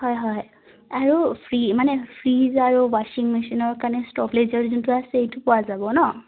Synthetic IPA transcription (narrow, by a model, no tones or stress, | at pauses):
hɔjɦɔj | aɹupʰɹimanɛpʰɹizaɹuwaʃiŋmisinɔɹkanɛstɔplezaɹzuntuasɛejtʊpɔwazabɔnɔ